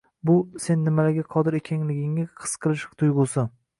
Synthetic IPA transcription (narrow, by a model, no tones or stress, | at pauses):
bʊse̞nːɪmalaɡʲaqʰɒd̪ɪɾekʲʰaŋlɪɡʲɪŋaqʰɨ̥sqʰɨlˠɪʃt̪ʰʊjʁʊsɪ